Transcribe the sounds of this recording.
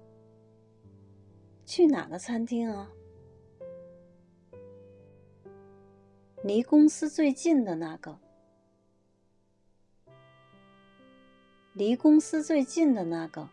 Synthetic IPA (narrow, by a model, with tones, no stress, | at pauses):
t͡ɕʰy˥˩na̰˨˩ɡə˨t͡sʰa˥nt̪ʰi˥ŋa˥˧ | li˧˥kʊ˥ŋsɹ̩˥t͡swe˥˧ɪt͡ɕi˥˨nd̪ə˨na˨˩˦kə˨˩ | li˧˥kʊ˥ŋsɹ̩˥t͡swe˥˧ɪt͡ɕi˥˨nd̪ə˨na˧˩˨kə˨˩